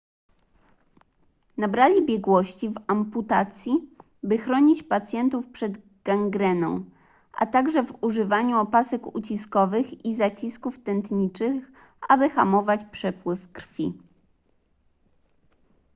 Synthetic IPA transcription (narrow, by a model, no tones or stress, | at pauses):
nabɾalʲibʲjɛɡwɔɕt͡ɕivamput̪at̪sʲji | bɘxɾɔɲit͡ɕpat̪sʲjɛnt̪ufpʂɛd̪ | ɡ̥aŋɡɾɛnɔ̰̃w̃ | ʔa̰t̪aɡʐɛvuʐɘvaɲuɔpasɛkut͡ɕiskɔvɘxizat͡ɕiskuft̪ɛnt̪ɲit͡ʂɘx | abɘxamɔvat͡ɕpʂɛpwɘfkɾfʲḭ